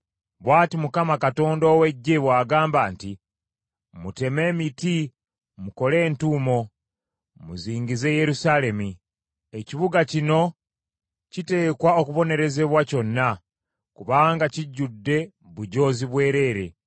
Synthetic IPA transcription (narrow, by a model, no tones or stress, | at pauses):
βwaːtimukamakato̞ːndoːwe̞ɟːeβwaːɡaːmbaːnti | mute̞me̞ːmiti | muko̞le̞ːntuːmo̞ | mṵziːŋɟize̞je̞ɾusale̞mi | eciβuɡacino̞ | cite̞ːkwao̞kuβo̞ne̞ɾe̞ze̞βwaco̞nːa | kuβaːŋɡaciɟːudːe̞ | βuɟo̞ːziβwe̞ːɾe̞ːɾe̞